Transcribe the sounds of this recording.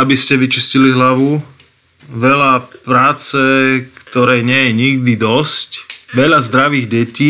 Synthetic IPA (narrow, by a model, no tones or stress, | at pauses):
abiscɛʋit͡ʃisciliɦlaʋu | ʋɛʎapɾaːt͡sɛkt̪ɔɾɛːɲɪɛjɛɲiɡ̚d̪id̪ɔscʋɛʎazd̪ɾaʋiːɣɟɛciː